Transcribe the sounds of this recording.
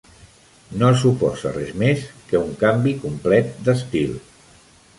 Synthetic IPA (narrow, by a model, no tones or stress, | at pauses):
nosupɔ̰zə̰rɛzmeskəuŋkambikumplɛt̪̚d̪əst̪ḭlˠ